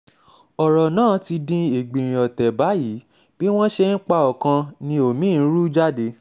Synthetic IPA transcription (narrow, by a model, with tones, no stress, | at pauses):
ɔ˨ɾɔ˨nãː˦˨˦ti˧dĩ˧e˨ɡ͡bĩ˨ɾ̃ĩ˨ɔ˨tɛ˨ba˨˦ji˨˦ | b̥i˦w̃ɔ̃˦ʃe˧n̩˦k͡pa˧ɔ˨kã˧nĩ˧o˨mĩ˨˦n̩˦ɾu˦d͡ʒa˦de˧˦